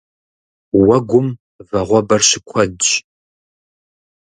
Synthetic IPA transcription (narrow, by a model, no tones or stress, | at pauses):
wɐɡʷʊm | vɐʁʷɔbɐrɕɪkʷʰɔdt͡ʃ